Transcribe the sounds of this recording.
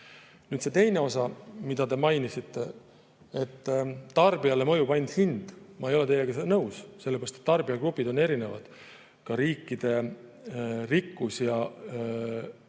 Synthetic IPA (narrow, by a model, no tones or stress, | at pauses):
nyːd̪se̞t̪e̞jne̞o̞sɑmid̪̥ɑt̪e̞mɑjnisit̪ːe̞ | et̪ːtːɑrbiɑlːe̞mɤjupɑjnʲd̪̥hind̪̥mɑejo̞le̞t̪e̞jlːeɡ̥ɑnɤwsse̞lːepeɾɑst̪et̪ːɑrbiɑɡrupːid̪o̞ne̞ɾine̞vɑ̰d̪̥ | kɑɾiːkˑːid̪̥e̞ | rikːusjɑ